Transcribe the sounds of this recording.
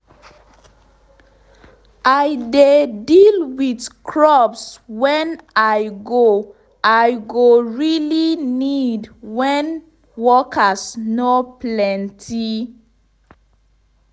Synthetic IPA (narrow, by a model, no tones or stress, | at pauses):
aɪdedilwidkʰɹɔpswɛ̃najɡo | ajɡoɹilinidwɛ̃n | wɔkʰasnoplɛ̃ntʰi